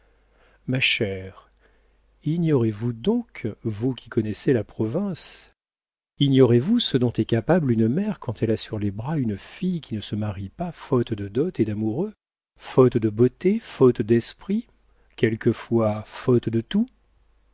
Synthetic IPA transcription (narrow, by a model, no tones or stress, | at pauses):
maʃɛʁ | iɲjɔʁevud̪ɔ̃kvukʲi̥kɔnɛselapχɔvɛ̃s | injɔʁevusəd̪ɔ̃t̪ɛkapablynmɛʁkɑ̃t̪ʰɛlasyʁlebʁaynfijkʲinəsəmaʁipafɔt̪d̪əd̪ɔt̪ed̪amuʁø | fɔt̪d̪əbot̪efɔt̪d̪ɛspχi | kʲɛlkəfwafɔt̪d̪ət̪u